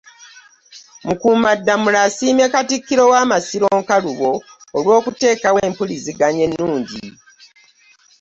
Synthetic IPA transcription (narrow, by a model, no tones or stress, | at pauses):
mukuːmadːamulasiːme̞katikːiɾo̞waːmasiɾo̞ːŋkaluβo̞ːlwo̞ːkute̞ːkaweːmpuliziɡaɲe̞nːuːɲɟi